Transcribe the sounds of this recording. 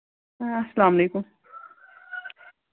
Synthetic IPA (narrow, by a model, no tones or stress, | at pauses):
ɐsɐlaːmɐleːkʊm